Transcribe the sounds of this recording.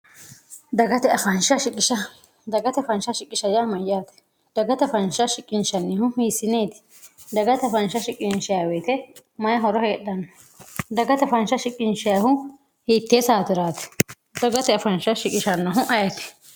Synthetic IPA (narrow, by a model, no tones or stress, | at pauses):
d̪ɐɡɐt̪ɛɐfɐnʃɐʃɪkʼːɪʃɐ | d̪ɐɡɐt̪ɛfɐnʃɐʃɪkʼːɪʃɐjaːmɐjaːt̪ɛ̥ | d̪̥ɐɡɐt̪ɛfɐnʃɐʃɪkʼːɪnʃɐnːɪhʊhiːsɪneːt̪ɪ̥ | d̪ɐɡɐt̪ɛɐfɐnʃɐʃɪkʼːɪnʃɪjaːweːt̪ɛ | mɐjɐɦɔɾɔheːɗɐnːɔ | d̪ɐɡɐt̪ɛfɐnʃɐʃɪkʼːɪnʃɪjaːhʊ | hiːt̪ːeːsaːt̪ɪɾaːt̪ɛ̥ | d̪ɐɡɐt̪ɛɐfɐnʃɐʃɪkʼːɪʃɐnːɔɦʊʔɐjɐt̪ɪ̥